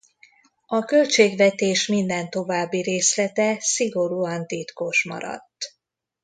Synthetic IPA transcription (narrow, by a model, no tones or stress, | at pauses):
ɒkø̞lt͡ʃeːɡʋɛt̪eːʃmind̪ɛnt̪o̞vaːbːiɾeːslɛt̪ɛsiɡo̞ɾuːɒnt̪it̪koʃmɒ̰ɾɒ̰t̪ː